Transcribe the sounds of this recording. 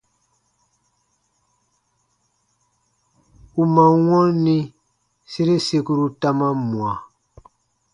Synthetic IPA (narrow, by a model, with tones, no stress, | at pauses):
u˨mã˨wɔ̃˦nĩ˦ | se˦ɾe˦se˧ku˦ɾu˦ta˦ma˦mu˨a˨